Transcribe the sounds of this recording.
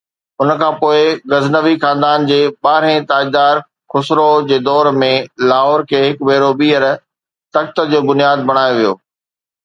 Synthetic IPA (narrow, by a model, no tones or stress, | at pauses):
ʊnkʰãːpoːɪɡɐznəʋixãːnd̪aːnd͡ʑeːɓaːɾẽt̪aːid̪aːɾ | kʰʊsɾod͡ʑeːd̪ɔːɾmẽlaːɦɔːɾkʰeːɦɪkbeːɾobiːəɾ | t̪ɐkt̪əd͡ʑoːbʊnijaːd̪̚bɐɽ̃aːjoʋijo̰ː